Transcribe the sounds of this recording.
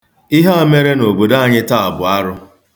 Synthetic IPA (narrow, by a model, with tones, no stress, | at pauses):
ɪ˦ɦa˦a˦me˦ɾe˦no˨bo˨da˦a˦˨ɲɪ˦ta˦˨a˨bʊ˨a˦ɾʊ˦